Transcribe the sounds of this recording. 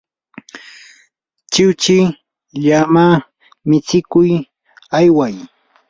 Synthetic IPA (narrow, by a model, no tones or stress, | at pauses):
t͡ʃɪwt͡ʃɪ | ʎamaː | mɪt͡sɪkʊj | ajwaj